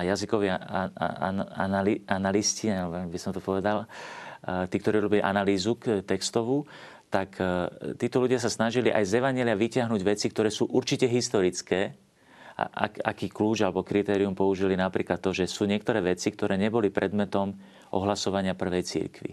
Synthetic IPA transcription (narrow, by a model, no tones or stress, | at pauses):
ajazikɔʋḭ | a̰naianalisciaabisɔmt̪ɔpɔʋɛd̪al | t̪iːkt̪ɔɾiːɾɔbiliʔa̰naliːzukt̪ɛkst̪ɔʋu | t̪akt̪iːt̪ɔluɟɪas̬asnaʒiliʔa̰jzɛʋaɲɪɛliaʋicɪaɦnuɟʋɛt͡sikt̪ɔɾɛːsuːʔuɾt͡ʃicɛɦist̪ɔɾit͡skɛː | a̰ʔa̰ka̰kiːkluːd͡ʒalɛbɔkɾit̪ɛːɾiumpɔuʒilinapɾiːklat̪ːɔʒɛsuːɲɪɛk̚t̪ɔɾɛːʋɛt͡sik̚t̪ɔɾɛːɲɛbɔlipɾʔɛd̪mɛt̪ɔm | ʔɔ̰ɦlasɔʋaɲɪapr̩ʋɛjt͡sḭɾkʋḭ